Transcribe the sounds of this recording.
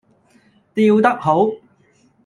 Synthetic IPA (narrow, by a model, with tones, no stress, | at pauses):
t̪iː˧wt̪ɐ˥k̚ɦo˨˥w